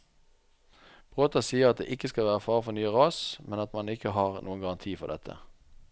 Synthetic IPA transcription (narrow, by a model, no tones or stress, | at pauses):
b̥ʁoːt̪ɑsiːəʁɑt̪̚d̪ḛːʔɪkəskɑlʋæːʁəfɑːʁəfɔnyːəʁɑːsmɛnɑt̪mɑnɪkəɦɑːʁnʔuːənɡɑʁɑnt̪ʰiːfɔ̰d̪ɛt̪ʰə̰